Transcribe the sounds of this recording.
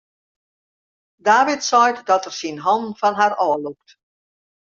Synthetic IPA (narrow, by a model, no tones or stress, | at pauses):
daːʋitsɔjtdɔtərsinɦɔnfɔnɦarɔːluk̚t